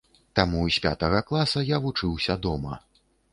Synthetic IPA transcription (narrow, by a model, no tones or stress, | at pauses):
t̪amuisʲpʲa̰t̪ɐɣɐklˠasɐjavut͡ʂɨwsʲɐd̪ɔmɐ